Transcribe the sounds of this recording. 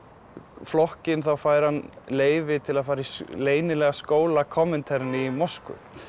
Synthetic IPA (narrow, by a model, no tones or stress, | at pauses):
flɔhcɪnθawfaːjɾhanleːjvɪt̪ʰɪlaðfaːɾisleːjnɪlɛːɣaskoːwlakʰɔːmɪnt̪ʰɛɾnɪimɔskʏ̰